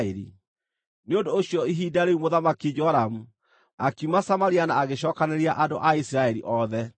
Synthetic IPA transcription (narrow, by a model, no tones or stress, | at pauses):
eɾḭ | neondoːɕjɔiɦiːdaɾeumoðamakid͡ʒɔɾamu | akiumasamaɾianaːɣeɕɔːkaneɾiaʔadoʔaisɾaɛɾiʔɔðɛ